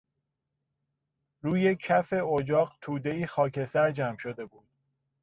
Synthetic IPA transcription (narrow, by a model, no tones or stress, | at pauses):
ɾuːjekʰæfe̞od͡ʒɒːɢt̪ʰuːd̪e̞iːxɒːkʰe̞sæɾd͡ʒæmʃod̪e̞buːd̪̥̚